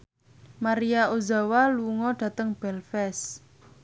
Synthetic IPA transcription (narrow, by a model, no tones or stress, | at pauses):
maɾiaozawaluŋɔɖ̥ä̤t̪əŋb̥ɛlfɛs